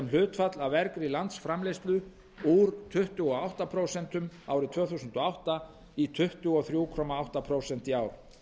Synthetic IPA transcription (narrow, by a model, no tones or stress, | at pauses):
ɛml̥ʏːt̪fat̪lavɛɾkɾilant̪sfɾamlejst̪lʏ | uːɾt̪ʰʏht̪ʏɔawht̪apʰɾoːwsɛnt̪ʏmaːwɾɪt̪ʰv̥œːθusʏnt̪ɔawht̪a | it̪ʰʏht̪ʏɔθɾjuːkʰɔmaawht̪apʰɾowsɛnt̪iaːwɾ̥